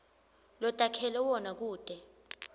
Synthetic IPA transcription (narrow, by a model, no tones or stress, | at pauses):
lɔtʼakʰɛlɛwɔnak̬uːd̥ʱʼɛ